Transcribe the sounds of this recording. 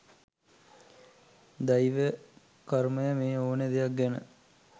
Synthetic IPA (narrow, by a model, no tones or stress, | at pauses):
d̪ɐjiʋə | kɐɾməjəmeːoːned̪ejɐk̚ɡɛnə̰